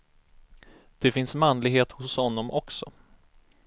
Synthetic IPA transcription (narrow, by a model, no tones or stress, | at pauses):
d̪̥ɛfɪnsmanlɪɡheːt̪hʊshɔnːɔmʔɔksɔ̰